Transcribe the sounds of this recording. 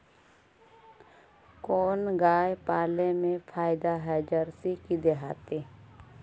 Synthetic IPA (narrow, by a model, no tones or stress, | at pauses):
koːnɡaːjpaːlemẽpʰaːjd̪aɦɛd͡ʒəɾsikid̪eɦaːt̪e